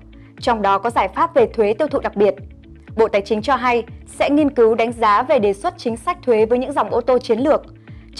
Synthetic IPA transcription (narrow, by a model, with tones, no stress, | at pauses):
t͡ɕɔ˧wŋ͡mɗɔ˨˦kɔ˨˦zaː˧˩jfaː˦˥p̚ve˨˩t̪ʰwe˨˦t̪i˧əwt̪ʰṵ˧˨ɗa˨˩k̚ɓi˨˩ət̚ | ɓo̰˧˨t̪aː˨˩jt͡ɕï˨˦ŋ̟t͡ɕɔ˧ɦa˧jsɛ̰˧˥ŋi˧ənkɨ˨˦wɗa˨˦jŋ̟zaː˨˦ve˨˩ɗe˨˩swə˦˥t̚t͡ɕï˨˦ŋ̟sa˦˥k̟̚t̪ʰwe˨˦vəː˨˦jɲɨ̰˧˥ŋza˨˩wŋ͡mʔo˧t̪o˧t͡ɕi˨˦ənlɨ˨˩ək̚ | t͡ɕ